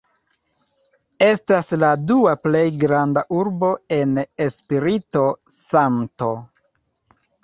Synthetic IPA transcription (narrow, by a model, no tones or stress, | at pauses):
e̞stasladuaple̞jɡɾandaʔuɾbo̞e̞ne̞spiɾito̞santo̞